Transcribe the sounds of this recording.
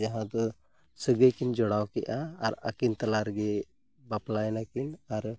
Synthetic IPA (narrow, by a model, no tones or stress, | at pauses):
d͡ʒaɦãd̪ɔ | səɡəjkind͡ʒɔɽawkɛʔaːɾa̰kint̪alaɾɡɛ | baplajnakinaɾ